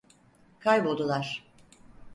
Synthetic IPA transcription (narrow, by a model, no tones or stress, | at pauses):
kʰajbolˠd̪ulˠaɾ̥